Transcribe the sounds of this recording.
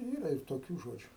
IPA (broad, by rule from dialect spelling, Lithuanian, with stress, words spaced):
ˈiːrɐ ɪr toːˈkʲuː ˈʒoːd͡ʒʲʊ